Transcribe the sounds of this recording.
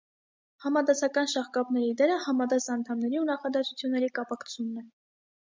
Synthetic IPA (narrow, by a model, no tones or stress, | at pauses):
hɑmɑd̪ɑsɑkɑnʃɑχkɑpnɛɾid̪ɛɾəhɑmɑd̪ɑsɑnt̪ʰɑmnɛɾiunɑχɑd̪ɛsut͡sʰjunːɛɾikɑpɑkʰt͡sʰunːɛ